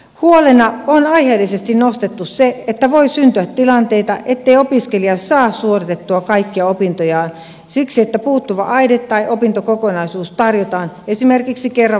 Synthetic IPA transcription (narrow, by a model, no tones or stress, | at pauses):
huolenɑonɑiheːlːisest̪innost̪et̪ːusseet̪ːæʋoisynt̪yæt̪tilɑnt̪eit̪ɑ̰ʔet̪ːeiopiskeliɑsɑːssuorit̪et̪ːuɑkɑikːiɑopint̪ojɑːn | siksiet̪ːæpuːt̪ːuʋɑ̰ʔɑidet̪tːɑiʔopint̪okokonɑisuːst̪ɑrjot̪ɑːnesimerkiksikerːɑ